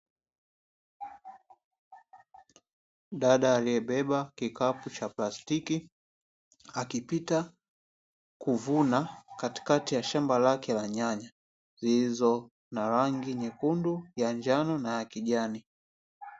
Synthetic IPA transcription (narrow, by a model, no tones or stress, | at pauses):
ɗaɗaːlijɛɓɛɓakikaput͡ʃaplastiki | akipita | kuvunakati̥katijaʃambalakɛlaɲaɲa | zizɔ | naɾaŋɡiɲɛkundujaɲd͡ʒanɔnajakiʄani